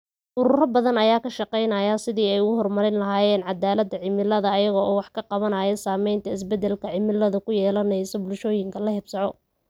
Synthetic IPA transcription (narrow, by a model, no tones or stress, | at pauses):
ʔʊɾʊrɐbɐðɐnɐjaːkʰɐʃɑqɛjnɐːjaːsɪðiːɛjʊɣʊɦɔrmɐɾɪnlɐɦaːjɛːnʕɑd̪aːlɐd̪ɐʕɪmɪlɐðɐːjɐɣɔʔɔːwɑħkʰɐqɑβɐnaːjɛsaːmɛjnt̪ʰɐɪsbɛd̪ɛlkʰɐʕɪmɪlːɐðɐkʰʊjɛːlɐnɛjsɔbʊlʃɔːjɪŋkʰɐlɐhɪbsɑʕɔ